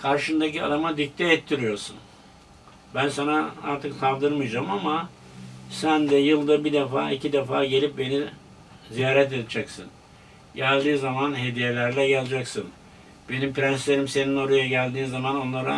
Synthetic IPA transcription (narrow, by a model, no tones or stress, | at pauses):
kʰaɾʃɯnd̪acia̰d̪amad̪ic̚t̪ʰɛɛːt̪ʰːiɾijo̞ɾsun | bænsanaa̰ɾt̪ʰɯksavd̪ɯɾmɯjd͡ʒamama | sænd̪ɛjɯlˠd̪abid̪efa̰ːicʰid̪ɛfaːɟe̞lʲip̚be̞ni | zijaːɾɛt̪̬ed̪d͡ʒɛksɯ̰n | ɟælʲd̪iːzamanɦe̞d̪ijelʲæɾlʲɛɟɛlʲˠd͡ʒaksɯn | b̥e̞nimpɾænslʲe̞ɾimse̞nino̞ɾujaɟælʲd̪iːnzamano̞nlˠaɾa